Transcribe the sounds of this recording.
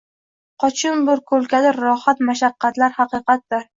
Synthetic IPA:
qʰɒt͡ʃʰɪnbʊɾkʰɵlkʲʰad̪ɪɾːɒhat̪maʃaqːɑt̪laɾhɑqɨqat̪̚d̪ɪɾ

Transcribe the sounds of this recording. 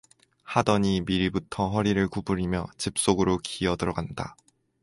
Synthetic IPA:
hadʌɲimiɾibutʰʌɸʌɾiɾɯɭkubuɾimjʌt͡ɕip̚s͈oɡɯɾokiʌdɯɾʌɡanda̰

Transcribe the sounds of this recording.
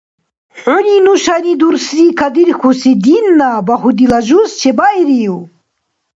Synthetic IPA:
ʕuninuʃanid̪uɾsɾikʰɐd̪iɾxusid̪inːabɐhud̪ilɐʒust͡ʃʰebaiɾiju

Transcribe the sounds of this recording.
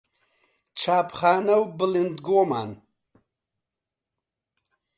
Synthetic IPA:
t͡ʃʰaːpχaːnɐwbɨlind̪ɡoːma̰ːn

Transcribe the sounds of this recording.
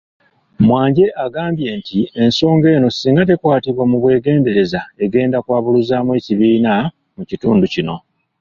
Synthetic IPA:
mwaːɲɟe̞ʔaɡaːmbje̞ːntie̞nso̞ːŋɡe̞ːno̞siːŋɡat̬e̞kwaːtiβwamuβwe̞ːɡe̞ːnde̞ɾe̞zae̞ɡe̞ːndakwaːβuluzaːmwe̞ːciβiːna | mucituːnducino̞

